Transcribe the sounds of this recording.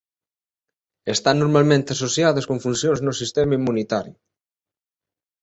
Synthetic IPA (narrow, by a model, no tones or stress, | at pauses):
est̪anːoɾmalmẽnt̪easosjaðoskoɱfunsjonznosist̪ɛmaimːunit̪aɾjʊ